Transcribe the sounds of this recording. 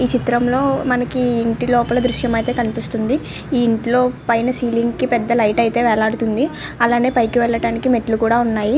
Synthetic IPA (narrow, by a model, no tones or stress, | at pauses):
iːt͡ʃit̪ɾɐmlo̞ːmɐnɐkiːɳʈilɔːpɐlɐd̪ɾuʃjɐmɐjt̪e̞ːkɐnipist̪und̪i | iːiɳʈlo̞ːpɐjnɐsiːliŋɡkipɛd̪ːɐlɐjʈɐjt̪e̞ːʋɛlaːɽut̪und̪i | ɐlaːne̞ːpɐjkiʋɛɭːɐɽaːnikimeʈlukuːɽaːunːaːji